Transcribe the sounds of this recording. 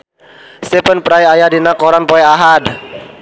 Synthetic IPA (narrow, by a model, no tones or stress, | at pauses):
sɛpənpɾajajadinakɔɾanpɔɛaɦad